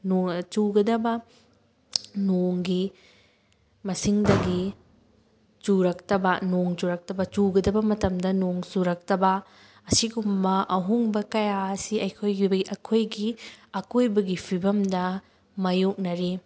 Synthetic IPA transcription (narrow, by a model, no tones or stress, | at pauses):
not͡ʃuɡɐdɐbɐ | noŋɡi | mɐsiŋdɐɡi | t͡ʃuɾɐktɐbɐnoŋt͡ʃuɾɐk̚tɐbɐt͡ʃuɡɐdɐbɐmɐtɐmdɐnoŋsuɾɐk̚tɐbɐ | ɐsiɡumbɐʔɐɦuŋbɐkɐjaɐsiɐjkʰojɡibɐiʔɐkʰojɡiɐkojbɐɡipʰibɐmdɐ | mɐjok̚nɐɾi